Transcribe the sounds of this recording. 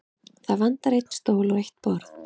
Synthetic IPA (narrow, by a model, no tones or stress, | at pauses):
θaðvant̪aɾejt̪n̥st̪oːwlɔɾejht̪̚pɔɾθ